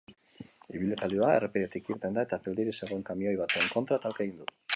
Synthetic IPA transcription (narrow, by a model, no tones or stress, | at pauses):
iβile̞t̪alioaḛrepeɾiet̪ikiɾt̪e̞nd̪ae̞t̪apeld̪iɾise̞ɣ̞o̞e̞ŋkamio̞jβ̞at̪eːŋko̞nt̪ɾat̪alkaeɣind̪u